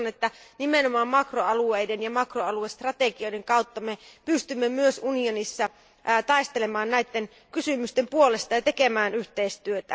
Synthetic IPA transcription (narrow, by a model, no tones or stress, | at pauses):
net̪ːænimenomɑːmmɑkroɑluejdenjɑmɑkroɑluest̪rɑt̪eɡio̞ideŋkɑwt̪ːɑmepyst̪ymːemyøsunionisːɑ | t̪ɑist̪elemɑːnnæjt̪ːen | kysymyst̪empuole̞st̪ɑjɑt̪e̞kemæːnyht̪eist̪yøt̪æ